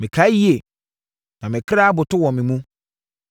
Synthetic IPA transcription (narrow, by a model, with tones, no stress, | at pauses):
mɪ̃˨kʰa˨˦ji˦e˨ | nã˨mɪ̃˨kʰɪ˦ɾa˦a˦bʊ˨tʊ˦wɔ̃˨mɪ̃˨mũ˦